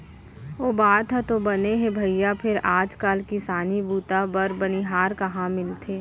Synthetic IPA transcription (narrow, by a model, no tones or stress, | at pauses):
oːbaːt̪ɦɛt̪obɐneɦɛ̃bʱɐijapʰɪɾaːd͡ʒkaːlkisaːnibuːt̪abɐɾbɐniɦaːɾkɐɦãmɪlt̪ʰeː